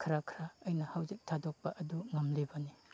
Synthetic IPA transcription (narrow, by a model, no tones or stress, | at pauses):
kʰaɾakʰɾaːjnɐhawzik̚tʰadok̚pɐʔɐduŋɐmlibɐni